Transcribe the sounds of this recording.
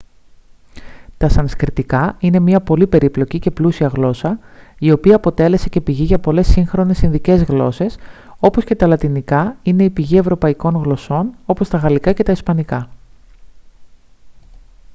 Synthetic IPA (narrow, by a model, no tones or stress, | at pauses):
t̪ɐsɐniskɾit̪ikɐine̞mɲɐpo̞lipe̞ɾiplo̞cice̞plusiɐɣlo̞sɐio̞piɐːpo̞t̪e̞le̞se̞ce̞piʝiʝɐpo̞le̞sːiŋxɾo̞ne̞sinðice̞zɣlo̞̰se̞s | o̞po̞sce̞t̪ɐlɐt̪inikɐine̞ipiʝie̞vɾo̞pɐiko̞ŋɣlo̞so̞no̞po̞st̪ɐɣɐlikɐce̞t̪ɐispɐnikɐ